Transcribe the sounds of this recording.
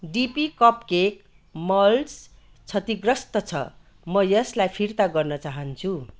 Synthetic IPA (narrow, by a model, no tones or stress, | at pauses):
ɖipikʌpkek | mʌls | t͡sʰʌt̪iɡrʌst̪ʌt͡sʰʌ̰ | mʌjʌslajpʰirt̪aɡʌrnʌt͡saɦʌnt͡sʰu